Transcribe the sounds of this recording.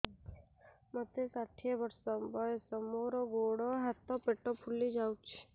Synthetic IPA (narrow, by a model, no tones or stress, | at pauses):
mət̪esaʈʰiebəɾsɔbəjsəmoɾɔɡoɽɔɦat̪ɔpeʈɔpʰulid͡ʒawt͡ʃʰi̥